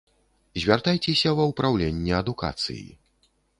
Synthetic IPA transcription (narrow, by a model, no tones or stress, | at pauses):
zʲvʲart̪ajt͡sʲɛsʲɐvɐwpɾawlʲenʲːɛɐd̪uka̰t̪sɨ̰jḭ